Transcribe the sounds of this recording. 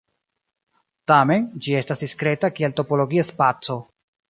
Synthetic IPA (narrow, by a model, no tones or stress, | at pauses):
tame̞nd͡ʒie̞stasdiskɾe̞takielto̞po̞lo̞ɡiaspat͡so̞